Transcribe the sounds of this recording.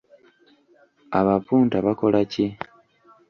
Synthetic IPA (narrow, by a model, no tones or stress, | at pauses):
aβapuːntaβako̞lace